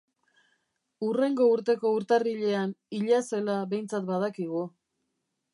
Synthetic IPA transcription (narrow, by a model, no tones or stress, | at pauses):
ure̞ŋɡo̞uɾt̪e̞ko̞uɾt̪ariʎe̞aniʎase̞laβe̞jnt͡sat̪bað̞akiɣ̞u